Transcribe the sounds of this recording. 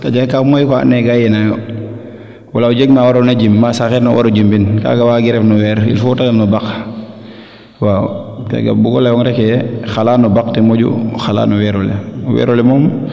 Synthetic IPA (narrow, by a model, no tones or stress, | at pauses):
kad͡ʒakamɔjkɔa̰nːɛɡajɛnajɔ | walaud͡ʒeɡmawaɾonad͡ʒimːasaxɛɾnawʔa̰ɾod͡ʒimbinka̰ɡawaːɡiɾɛfnɔwɛɾḭlfutalɛnɔbak | waːka̰ɡa̰buɡɔlaɔŋɾɛkɛxalaːnɔbaktɛmoɟṵxala̰ːnɔwɛɾɔlɛwɛ̰ɾɔlɛmɔːm